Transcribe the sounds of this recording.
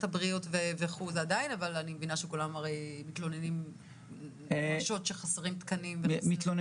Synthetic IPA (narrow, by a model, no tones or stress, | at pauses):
tabʁio̞tveveχuzadajinavalanimevinaʃekulamaʁejmit̪lo̞nenim | ʃo̞tʃeχaseʁimt̪kanimveit̪lon